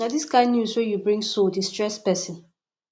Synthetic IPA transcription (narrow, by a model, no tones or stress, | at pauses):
adiskãɪ̃ndnjuswɛjubɹĩŋsodistɹɛspɛsɪ̃n